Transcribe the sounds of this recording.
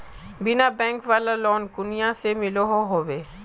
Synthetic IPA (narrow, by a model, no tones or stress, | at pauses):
bɪnabɛ̃ːŋkʋaːlalɔːnkʊnijãsemɪloɦoɦoːʋeː